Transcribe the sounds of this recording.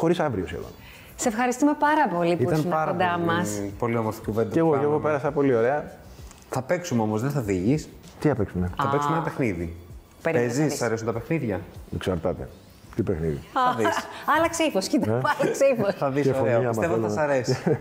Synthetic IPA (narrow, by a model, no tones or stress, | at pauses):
xo̞ɾisɐvɾiosḛðo̰n | sefxɐɾist̪ume̞pɐɾɐpo̞lipiut̪ɐsnmɐɾɐod̪ɐmɐspo̞liomoɾt̪ikuvend̪ɐeɣokeɣo̞pe̞ɾɐsɐpo̞lio̞ɾe̞ɐ | θɐpeksumeomozðeθɐviʝis | t̪iɐpeksumeθɐeksumeenɐpexniði | peɾiezissɐɾesunt̪ɐpe̞xniðʝɐeksɐɾt̪ɐt̪e̞̰ | t̪ipexniðḭɐðisɐlɐkseifoscit̪ɐeɐlɐkseifosθɐðisefoɐsmɐseɐelɐɐsɐɾesi